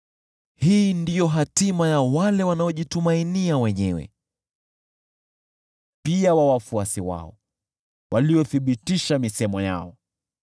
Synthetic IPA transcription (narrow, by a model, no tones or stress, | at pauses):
hiːndijɔɦatimajawalɛwanaɔʄitumainiawɛɲɛwɛ̰ | piawawafuasiwa̰ɔ̰ | wʔaliɔθiɓitiʃamisɛmɔja̰ɔ